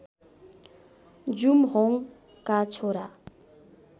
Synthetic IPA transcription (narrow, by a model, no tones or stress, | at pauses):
d͡zumɦoŋ | kat͡sʰoɾa